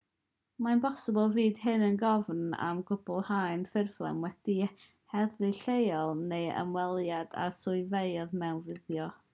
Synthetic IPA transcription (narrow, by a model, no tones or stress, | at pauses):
manbɔsəbɔlˠviːd̥hɨnənɡɔvna̰mɡ̥ʊbɔlˠhaɨnfɪrvlˠɛ̰mwɛd̥i | hɛðvɨɬejɔlˠnejə̰mwɛlˠjad̥a̰sʊɨvejðmɛwnvɪðjɔ